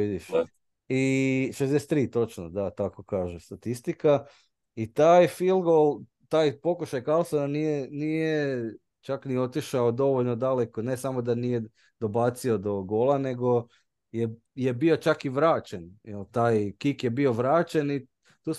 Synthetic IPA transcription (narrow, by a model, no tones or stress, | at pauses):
id̪iʃ | iʃezd̪ese̥t̪ːɾiːt̪o̞t͡ʃno̰d̪at̪akokaːʒest̪at̪ist̪ika | it̪aːjfilˠɡolˠ | t̪aːjpo̞kuʃajkalˠsonanijenije | t͡ʃaknio̞t̪iʃaod̪o̞ʋoʎnod̪alekonesamod̪anije | d̪̥o̞bat̪sio̞d̪o̞ɡoːlˠane̞ɡo̞ | je | je̞bio̞t͡ʃakiʋɾaːt͡ʃenjelˠt̪aːjkikjebio̞ʋɾaːt͡ʃeni | t̪uːs